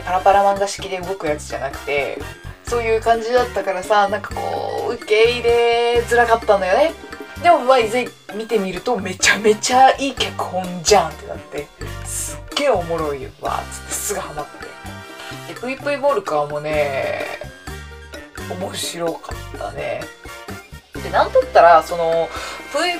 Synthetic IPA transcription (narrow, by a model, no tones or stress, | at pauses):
paɾapaɾamãŋɡaɕi̥kʲid̪e̞ɯ̟ɡo̞kɯ̟jat͡sɨ̥ʑa̰nakɯ̟̥t̪e̞ | so̞ːjɯ̟ːkãɲ̟d͡ʑid̪at̪ːakaɾasanãŋkḁko̞̰ːɯ̟ke̞iɾe̞d͡zɨɾakat̪ːanojo̞ne̞d̪e̞mo̞maizei | mʲit̪e̞mʲiɾɯ̟t̪o̞me̞t͡ɕame̞t͡ɕaiːkʲakɯ̟̥hõ̞ɲd͡ʑãnt̪e̞na̰t̪ːe̞sɨɡ̥ːe̞ːo̞mo̞ɾo̞iβa̰t͡sɨ̥t̪ːḁsɨɡɯhanat̪ːe̞̰ | d̪eɸɯ̟ipɯ̟ibo̞ːɾɯ̟kɯβamo̞ne̞ | omo̞ɕiɾo̞kat̪ːa̰ne̞̰ | t̪ːe̞nãnt̪at̪ːaɾaso̞no̞ɸɯ̟i